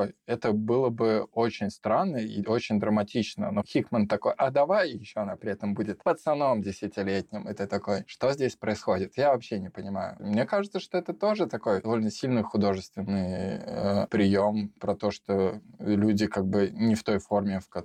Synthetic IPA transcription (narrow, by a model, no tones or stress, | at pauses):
ojɛt̪əbɨlˠəbɨot͡ɕɪnʲst̪ɾanːəḭo̞t͡ɕɪnʲd̪ɾəmɐtʲit͡ɕnə̰noxʲikmənt̪ɐko̞jʔɐd̪ɐvajjɪɕːoɐnapɾʲɪɛt̪əmbudʲɪt̪vət̪snɐvno̞mdʲɪsʲɪtʲɪlʲetʲnʲɪmɛt̪ət̪ɐko̞jʂt̪o̞zʲdʲesʲpɾəɪsxo̞dʲɪt̪javɐpɕːenʲɪpənʲɪmajʊ̰mnʲekaʐɨt̪səʂt̪o̞ɛt̪ət̪o̞ʐɨt̪ɐko̞jd̪ɐvo̞lʲnəsʲilʲnɨjxʊd̪o̞ʐɨst̪vʲɪnːɨjəpɾʲɪjo̞mpɾɐt̪o̞ʂt̪o̞lʲudʲɪkaɡ̚bɨnʲɪft̪o̞jfo̞rmʲɪfkɐ